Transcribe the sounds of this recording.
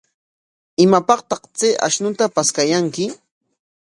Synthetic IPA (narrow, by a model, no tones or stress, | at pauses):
ɪmapɑqt̪ɑqt͡seʔa̰ʃnʊt̪apaskajaŋkɪ